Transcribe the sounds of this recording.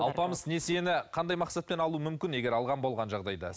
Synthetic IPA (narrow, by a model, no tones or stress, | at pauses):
ɑlˠpɑməzne̞senɪqʰɑnd̪ɑjmɑqsɑt̪̚pe̞nɑlˠuəmʏmkʲɪne̞ɡʲe̞ɾɑlˠʁɑnbo̞lˠʁɑnʒɑʁd̪ɑjd̪ɑ̰